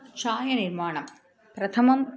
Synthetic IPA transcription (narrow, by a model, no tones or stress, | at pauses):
t͡ɕʰaːjɐniɾmaːɳɐm | pɾɐt̪ʰɐmɐm